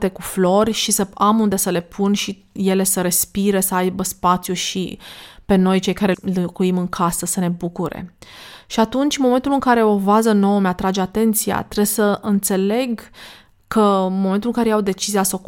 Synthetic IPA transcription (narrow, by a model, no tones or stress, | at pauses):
t̪e̞kuflo̞rʲʃisəamund̪e̞səle̞pʰunʃi | je̞le̞səɾe̞spiɾe̞səajbəspat̪sjuʃḭpe̞no̞jt͡ʃe̞jkaɾelɨkuimɨŋkʰasəsəne̞bukuɾe̞̰ʃiat̪unt͡ʃʲmoment̪ulɨŋkaɾe̞o̞vazəno̞wəmeat̪ɾad͡ʒeat̪e̞nt̪sija̰t̪ɾe̞səɨnt̪se̞le̞ɡ | kʰəmo̞ment̪ulɨŋkaɾejawd̪e̞t͡ʃiziasok